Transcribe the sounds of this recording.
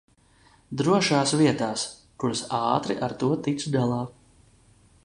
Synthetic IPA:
d̪ɾuɔʃaːsviɛt̪aːs | kuɾsɑːt̪ɾiʔaɾt̪uɔt̪it̪sd̪alˠɑː

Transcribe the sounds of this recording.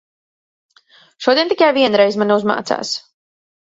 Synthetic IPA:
ʃuɔd̪ʲiɛnt̪ikajviɛnɾɛjzmaniuzma̰ːt̪sa̰ːs

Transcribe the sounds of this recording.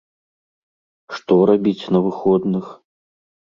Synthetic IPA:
ʂt̪ɔɾabʲit͡sʲnɐvɨxɔd̪nɨx

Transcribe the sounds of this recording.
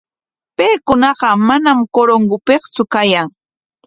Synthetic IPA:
pejkʊnɑɢɑmanamkoɾoŋɢʊpeχt͡sʊkajaŋ

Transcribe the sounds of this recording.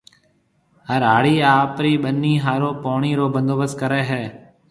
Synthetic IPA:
ɦəɾaːɽiːaːpɾiːɓənːiːɦaːɾoːpoːɳiːɾoːbənd̪oːbəskəɾeːɦɛː

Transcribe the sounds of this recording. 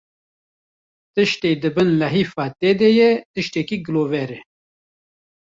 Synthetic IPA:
t̪ɨʃt̪eːd̪ɨbɨnlɐɦiːfɑːt̪eːd̪ɛjɛt̪ɨʃt̪ɛkiɡɨloːvɛɾɛ

